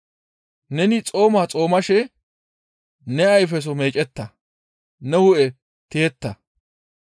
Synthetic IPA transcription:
nɛnɪt͡sʼo̞ːmaːt͡sʼo̞ːmɐʃɛ | nɛɐjf̬ɛs̬ɔme̞ːt͡ʃʼɛt̪ːɐ | nɛhʊʔɛ | t̪eːt̪ːɐ

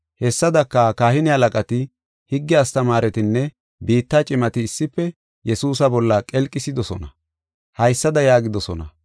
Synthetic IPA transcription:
hɛsːɐd̪ɐkːɐkaːhɪnɪhɐlɐkʼɐt̪ɪ | hɪɡːɪɐst̪ɐmaːɾɛt̪ɪnːɛ | biːt̪ːat͡ʃʼɪmɐt̪ɪːsːɪpːɛ | jɛsuːsɐbɔlːɐkʼɛlkʼːɪsɪd̪ɔsɔnɐ | hɐjsːɐd̪ɐjaːɡɪd̪ɔsɔnɐ

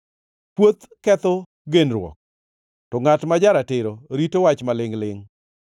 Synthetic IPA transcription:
pwot̪ | kɛt̪ɔ | ɡenɾwɔ̰k̚ | tɔŋatmad͡ʒaɾatɪɾoɾitowat͡ʃmalɪŋlɪŋ

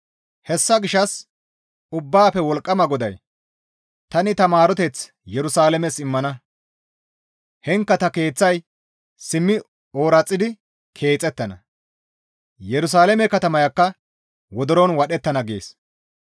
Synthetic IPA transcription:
hɛsːɐɡɪʃɐs | ʊbːaːpɛwɔlkʼːɐmɐɡɔd̪ɐj | t̪ɐnɪt̪ɐmaːɾɔt̪ɛt͡s | jɛɾʊsaːlɛmɛsɪmːɐnɐ | hɛŋkːɐt̪ɐke̞ːt͡sːɐj | sɪmːɪ | oːɾɐt͡sʼːɪd̪ɪ | kʰe̞ːt͡sʼːɛt̪ːɐnɐ̰ | jɛɾʊs̬aːlɛmɛkɐt̪ɐmɐjɐkːɐ | wɔd̪ɔɾɔnwɐɗɛt̪ːɐnɐɡḛːs

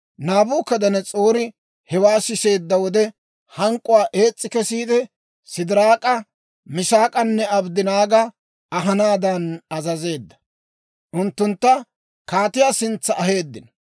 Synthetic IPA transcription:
naːbuːkːɐd̪ɐnɛt͡sʼoːɾɪ | hɛwaːsɪse̞ːd̪ːɐwɔd̪ɛ | hɐŋkʼːʊwaːʔe̞ːt͡sʼːɪkɛsiːd̪ɛ | sɪd̪ɪɾaːkʼɐ | mɪʃaːkʼɐnːɛɐbd̪ɪnaːɡɐ | ɐɦɐnaːd̪ɐnɐzɐze̞ːd̪ːɐ̥ | ʔʊnt̪ːʊnt̪ːɐ | kaːt̪ɪjaːsɪnt͡sːɐʔɐɦe̞ːd̪ːɪnɐ

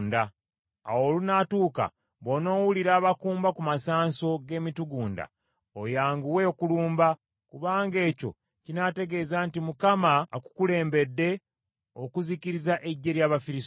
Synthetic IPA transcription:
nda | awoːlunatuːka̰ | βo̞no̞ːwuliɾaːβakuːmbakumasaːnso̞ɡe̞ːmituɡuːnda̰ | ojaːŋɡuwe̞okuluːmba | kuβaːŋɡe̞ːco̞̰ | cinate̞ɡe̞zaːntimukamaaku̥kule̞ːmbe̞dːe̞ | o̞kuziciɾizaʔe̞ɟːe̞ɾjaːβafiɾis

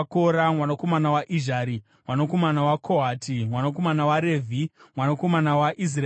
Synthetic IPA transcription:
koɾamwanakomanawaʔiʒaːɾi | mwanoko̞manawakʰoɦatʰimwanoko̞manawaɾe̞ːvʱimwanako̞manawaʔis̬ra

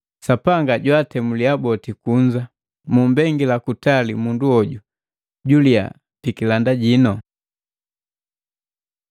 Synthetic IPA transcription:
sapaŋɡaɟwatɛmuliabɔtikuɲd͡ʒa | mumbɛŋɡilakutalimunduɔɟu | ɟulia̰ | pikilandaɟinɔ

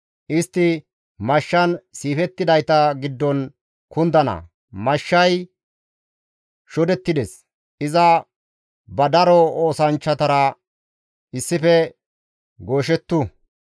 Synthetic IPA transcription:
ʔɪst̪ːɪ | mɐʃːɐnsiːfɛt̪ːɪd̪ɐjt̪ɐɡɪd̪ːɔn | kʊnd̪ɐnɐ̰ | mɐʃːɐj | ʃɔd̪ɛt̪ːɪd̪ɛs | ʔɪzɐ | bɐd̪ɐɾɔoːsɐnt͡ʃːɐt̪ɐɾɐ | ʔɪsːɪfɛ | ɡo̞ːʃ̬ɛt̪ːu

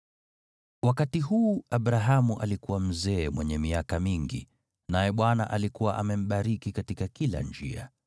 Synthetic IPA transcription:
wakatiɦuːaɓɾaɦamuʔalikuwam̩zɛːmwɛɲɛmiakamiŋɡḭ | najɛɓwana̰ʔalikuwaʔamɛm̩ɓaɾikikatikakila̰nd͡ʒḭa̰

